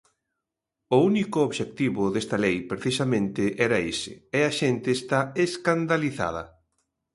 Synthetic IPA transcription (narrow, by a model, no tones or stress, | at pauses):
ʊunikʊoβʃek̚t̪iβʊðest̪ɐlejpɾeθisamẽnt̪ɪʔɛɾɐesɪ̰ɛaʃent̪ɪːst̪aeskand̪aliθa̰ð̞ɐ̰